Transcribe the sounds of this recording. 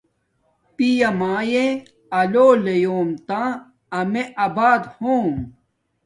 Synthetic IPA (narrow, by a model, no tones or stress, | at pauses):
pijɐmaːjẽ | ɐloːlejoːmt̪ã | ɐmeʔɐbaːd̪hoːm